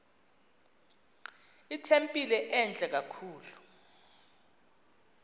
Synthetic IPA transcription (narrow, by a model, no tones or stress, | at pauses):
itʰempʼilɛʔɛnd͡ɮʱʼɛk̬akʰuːlu